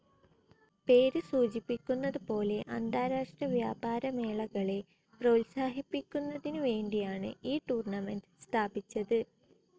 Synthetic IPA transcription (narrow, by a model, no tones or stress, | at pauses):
pe̞ːɾɨsuːt͡ɕipːikʲːunːɐðɨpo̞ːle̞ʔɐnd̪aːɾaːʂʈrɐʋjaːbaːɾɐme̞ːɭɐɣɐɭe̞ | prɐwlsaːɦipːikʲːunːɐðinuʋe̞ːɳɖijaːɳɨ̰iːʈuːrɳɐmɐntst̪ʰaːbit͡ɕːɐðɨ